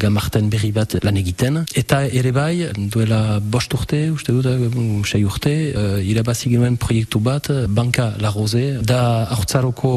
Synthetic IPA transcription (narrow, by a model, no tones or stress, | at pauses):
ɡamaʁt̪ɛnbeʁibat̪laneɡit̪ɛnet̪aeɾebajd̪wɛlabɔʃt̪uʁt̪euʃt̪eut̪aʃɛjuʁt̪eilabasiɡenɛnpχɔjɛk̚t̪ubat̪bãŋkalaʁozed̪aaʁt͡saɾokʰo